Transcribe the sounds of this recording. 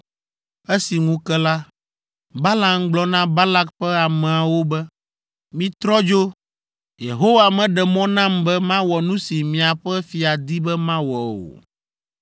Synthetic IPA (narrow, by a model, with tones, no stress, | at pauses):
e˦si˨ŋũ˦kɛ˦la˦ | ba˦la˦ŋɡ͡blɔ˦nã˦ba˦la˦kɸɛ˦a˨mɛ̃˨a˨wo˦bɛ˦ | mĩ˦t̪ɾɔ˦d͡ʒo˦ | jḛ˨ɦo˦wa˨mɛ̃˨ɖɛ˨mɔ̃˦nã˦mbɛ˦mã˦wɔ˨nũ˦si˨mĩ˨a˨ɸɛ˦fi˨a˨d̪i˦bɛ˦mã˦wɔ˨o̰˨